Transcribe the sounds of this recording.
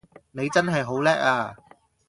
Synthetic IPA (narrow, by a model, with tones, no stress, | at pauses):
ne˨˧jt͡sɐ˥nɦɐ˨jɦo˨˥wlɛː˥k̚aː˧